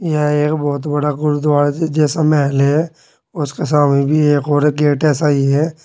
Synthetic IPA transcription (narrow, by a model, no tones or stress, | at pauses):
jeeːkbɔːt̪bɐɽaɡʊɾud̪ʋaːɾd͡ʒɛːsamɛɦlɦɛ | ʊskesaːmnebʱieːkoːɾɡeːʈɛːsaiɦɛː